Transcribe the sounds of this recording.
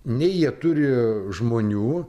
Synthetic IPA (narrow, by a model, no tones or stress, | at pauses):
nʲɛɪjiɛt̪ʊɾʲɪʒmoːnʲuː